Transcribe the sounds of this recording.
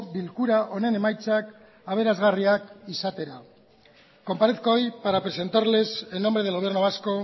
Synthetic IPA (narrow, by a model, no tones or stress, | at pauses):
bilkuɾaʔo̞ne̞ne̞majt͡sak | aβ̞e̞ɾazɣariakisat̪e̞ɾa | ko̞mpaɾeθkoojpaɾapɾe̞se̞nt̪aɾle̞seno̞mbɾe̞ð̞elɣ̞o̞e̞ɾnoβasko̞